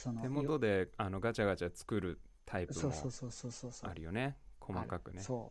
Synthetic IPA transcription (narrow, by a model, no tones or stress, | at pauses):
ot̪emo̞d̪o̞d̪e̞ano̞ɡat͡ɕaɡat͡ɕat͡sɨ̥kɯ̟ɾɯ̟ | t̪ʰaipɯo̰osososoa̰ɾɯ̟jo̞ne̞kʰo̞makakɯ̟neso